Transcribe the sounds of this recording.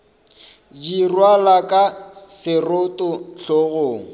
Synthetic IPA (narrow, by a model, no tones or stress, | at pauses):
d͡ʒirwalakʼasɪrʊtʼʊɬoɣoːŋ̩